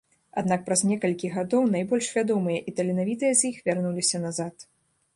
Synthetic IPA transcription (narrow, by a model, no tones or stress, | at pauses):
ad̪nak̚pɾɐzʲnʲɛkɐlʲkʲiɣad̪ɔwnajbɔlʲʂvʲad̪ɔmɨjɐʔit̪ɐlʲinavʲit̪ɨjɐzʲjixvʲarnulʲisʲɐnazat̪